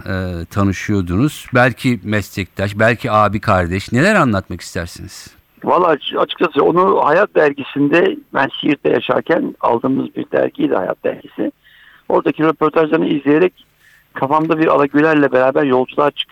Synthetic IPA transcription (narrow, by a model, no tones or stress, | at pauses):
ɛːt̪ʰanɯʃɯjo̞d̪unuz̥bælʲcʰimɛst̪ʰɛc̚t̪ʰaʃbælʲcʰiaːbikʰaɾd̪ɛʃne̞lʲæɾanlˠat̪maki̥st̪ʰæɾsiniz̥ | valˠːat͡ʃat͡ʃʰɯ̥kt͡ʃʰasɯːo̞nuhajat̪̚d̪æɾɟisind̪ɛbænsijiɾt̪ʰːa̰jaʃa̰ɾcʰæna̰lˠd̪ɯːmɯzbḭɾd̪æ̰ɾɟiːd̪ɛ̰ha̰ja̰t̪̚d̪æ̰ɾɟisɪ | o̞ɾd̪acʰiɾepʰo̞ɾt̪ʰaʒlˠaɾnɯizlʲije̞ɾɛc | kʰafamd̪abiɾa̰lˠaɟylʲæɾlʲɛbe̞ɾaːbæɾjo̞lˠd͡ʒulˠaɾt͡ʃʰɯ̥k